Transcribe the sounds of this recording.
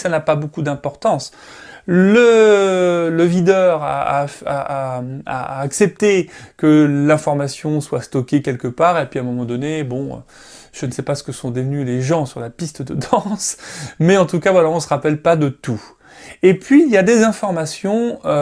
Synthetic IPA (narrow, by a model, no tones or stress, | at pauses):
sanapabokud̪ɛ̃pɔʁt̪ɑ̃s | lə | ləvid̪œʁa̰a̰a̰ | a̰ːksɛp̚t̪ekəlɛ̃fɔʁmasjɔ̃swast̪ɔkʲekʲɛlkəpaːʁepɥiɛ̃ːmɔmɑ̃d̪ɔnebɔ̰̃ | ʒ̥ənəsɛpasə̥kəsɔ̃d̪əvnyleʒɑ̃syʁlapist̪əd̪əd̪ɑ̃smɛɑ̃t̪ukavwalaɔ̃səʁapɛlpad̪ət̪u | epɥiljad̪ezɛ̃fɔʁmasjɔ̃ø